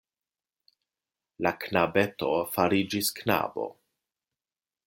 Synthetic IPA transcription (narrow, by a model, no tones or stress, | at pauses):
laknabe̞to̞faɾid͡ʒiskna̰bo̞̰